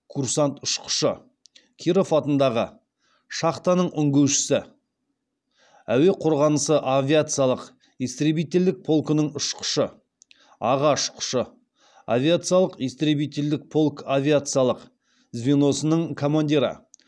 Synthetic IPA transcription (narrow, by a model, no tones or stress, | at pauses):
kʰuɾsant̪ʊʃqə̥ʃə | kʲʰiɾofɑt̪ənd̪ɑʁə | ʃɑχt̪ɑnəɴʔʏŋɡʲewʃɪ̥sɪ | æwe̞qʰʊɾʁɑnəsəʔavʲiat̪sɨijalˠəq | ist̪ɾebijt̪ʲe̞ld̪ɪk̚pʰo̞lˠkənəɴʊʃqʊ̥ʃə | ɑʁɑʃqʰʊ̥ʃə | a̰vʲijat̪sɨjɑlˠəqijst̪ɾebijt̪ʲe̞ld̪ɪk̚pʰo̞lˠkavʲijat̪sɨjɑlˠəq | zvʲino̞sənəɴkʰo̞manʲd̪ʲiɾɑ̰